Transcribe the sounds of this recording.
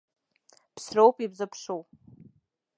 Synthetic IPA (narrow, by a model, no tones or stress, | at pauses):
pʰsrowpʼibzɨpʰʂow